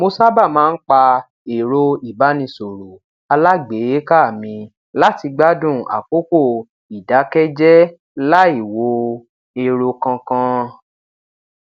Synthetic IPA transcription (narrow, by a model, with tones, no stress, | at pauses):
mo˧sa˦ba˦˨mãː˦˧n̩˦k͡pa˧ | e˨ɾo˧i˦˨ba˨˦nĩ˧so˨ɾu˨ | a˧la˦ɡ͡be˨˦je˦ka˦˨mĩ˧ | la˦ti˧ɡ͡ba˦dũ˦˨a̰˨k͡po˦ko˦˨ | i˨da˨˦kɛ˦d͡ʒɛ˦ | la˦i˦˨wo˧ | e˧ɾo˧kã˧kã˧